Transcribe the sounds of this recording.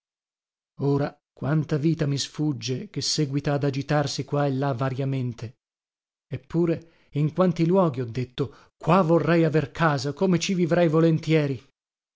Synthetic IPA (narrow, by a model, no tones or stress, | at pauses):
oːɾa | kwant̪aviːt̪amisfud͡ʒːekesːɛːɡwit̪aːd̪ad͡ʒit̪arsikwaelːavːaɾjament̪e | epːuːɾe | iŋkwant̪ilwɔːɡiɔd̪ːet̪ːo | kwavorːɛjaverkʰaːzakomet͡ʃivivɾɛjvolent̪jɛːɾi